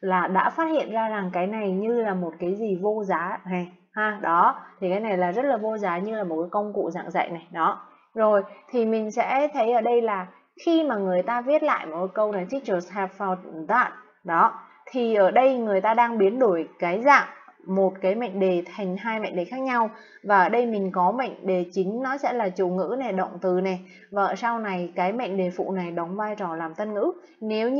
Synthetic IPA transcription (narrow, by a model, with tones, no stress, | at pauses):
laː˨˩ɗa̰ː˧˥faː˦˥t̚hḭ˧˨ənzaː˧za˨˩ŋkaː˨˦jna˨˩jɲɨ˧laː˨˩mo˨˩t̚kaː˨˦jzi˨˩vo˧zaː˨˦ha˨˩ | haː˨˧˩ɗɔ˨˦t̪ʰi˨˩kaː˨˦jna˨˩jlaː˨˩zə˦˥t̚laː˨˩vo˧zaː˨˦ɲɨ˧laː˨˩mo˨˩t̚kaː˨˦kə˧wŋ͡mkṵ˧˨za̰ː˧˨ŋza̰ː˧˨jna˨˩jɗɔ˨˦ | zo˨˩jt̪ʰi˨˩mï˨˩ŋ̟sɛ̰˧˥t̪ʰə˨˦jʔəː˧˩ɗə˧jlaː˨˩ | xi˧maː˨˩ŋɨ˨˩əjt̪aː˧vi˦˥ət̚la̰ː˧˨jmo˨˩t̚kaː˨˦kə˧wna˨˩jt͡ɕi˦˥k̚t͡ɕə˧˩sɛ˨˩pfɔ˧˨˩t̚t̪a̰ː˧˨t̚ | ɗɔ˨˦ | t̪ʰi˨˩ʔəː˧˩ɗə˧jŋɨ˨˩əjt̪aː˧ɗaː˧ŋɓi˨˦ənɗu˧˩əjkaː˨˦jza̰ː˧˨ŋmo˨˩t̚kaː˨˦jma̰˧˨ŋ̟ɗe˨˩t̪ʰa˨˩ŋ̟ɦaː˧jma̰˧˨ŋ̟ɗe˨˩xaː˦˥k̚ɲa˧w | vaː˨˩ʔəː˧˩ɗə˧jmï˨˩ŋ̟kɔ˨˦ma̰˧˨jŋ̟ɗe˨˩t͡ɕï˨˦ŋ̟nɔ˨˦sɛ̰˧˥laː˨˩t͡ɕṵ˧˨ŋɨ̰˧˥nɛ˨˩ɗə̰˧˨wŋ͡mt̪ɨ˨˩nɛ˨˩ | vaː˨˩ʔə˨˩sa˧wna˨˩jkaː˨˦jma̰˧˨ŋ̟ɗe˨˩fṵ˧˨na˨˩jɗə˨˦wŋ͡mvaː˧jt͡ɕɔ˨˩laː˨˩mt̪ə˧nŋɨ̰˧˥ | ne˨˦w